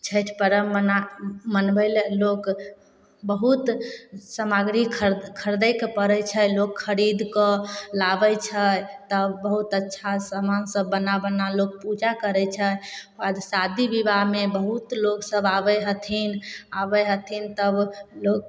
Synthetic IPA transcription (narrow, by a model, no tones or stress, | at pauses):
t͡ʃʰəjt̪ʰpəɾəmənamənbəjllok | bəɦut̪səmaɡɾikʰəɾkʰəɾd̪əjkpəɾɛt͡ʃʰəlokʰːəɾid̪kɔlabəjt͡ʃʰət̪əbbəɦut̪ətːʃʰasəmansəbːənabənalok̚pud͡ʒakəɾɛt͡ʃʰə | ad̪sad̪ʱibibaɦmebəɦut̪loksəbabəjɦət̪ʰinabəjɦət̪ʰint̪əblok̚